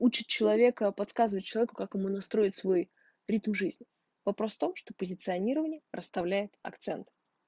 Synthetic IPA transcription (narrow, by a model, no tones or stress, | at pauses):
ut͡ɕɪt̪̚t͡ɕɪlˠɐvʲe̞kəpɐt̪skazɨvət̚ʲt͡ɕɪlˠɐvʲekʊkakjɪmunɐst̪ɾo̞ɪtʲsvo̞j | ɾʲit̪mʐɨzʲnʲɪ | vɐpɾo̞sft̪o̞mʂt̪opəzʲɪt̪sɨɐnʲiɾəvənʲɪjərʔəst̪ɐvlʲæjɪt̪ɐ̰kt̪sɛnt̪ɨ̥